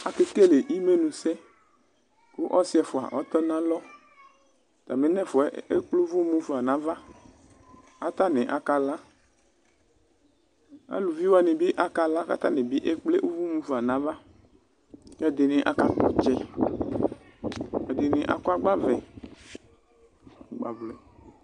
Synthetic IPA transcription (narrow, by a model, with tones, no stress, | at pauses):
a˨ke˦ke˦le˨ʔi˦me˦nũ˨sɛ˦ | ku˦ʔɔ˦si˦ɛ˨fo˨a̰˨ʔɔ˦t̪ɔ˦nã˦lɔ˦ | t̪a˨me˨nɛ̃˦˨fɔ˨˦e˦k͡plo˦vu˦mũ˦fu˨a˨nã˨˦va˦ | a˦t̪a˦nɛ̃˨ʔa̰˦ka˨la˦ | a̰˦lu˨vi˦wa˨nẽ˨bi˦ʔa˦ka˨la˦ka̰˨t̪a˦nẽ˨bi˦ʔe˦k͡ple˦ʔu˦vu˦mũ˦fa˨nã˨˦va˦ | kɛ˦d̪ɪ˨nɪ̃˨˦ʔa̰˦ka˨t̪ɔ̰˨t͡ʃɛ˦ | ɛ˨d̪e˨nɪ̃˨ʔa̰˦ku˦a˦ɡ͡ba˦vɛ˨ | ɡ͡ba̰˨vlɛ˨